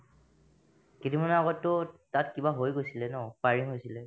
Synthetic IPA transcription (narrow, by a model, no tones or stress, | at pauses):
kitimanɛaɣɔtːʊtatkibaɦojɡojsilɛnɔpaɹiɦojsilɛ